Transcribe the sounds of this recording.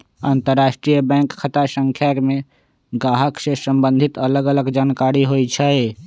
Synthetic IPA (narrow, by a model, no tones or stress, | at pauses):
aːnt̪əɾːaːʃʈɾijəbɛ̃ːŋkkʰːət̪asə̃ŋkʰjaːkmẽ | ɡaːɦəksesəmbə̃nd̪ʱɪt̪ələɡələɡd͡ʒaːnkaːɾiɦoit͡ʃʰəe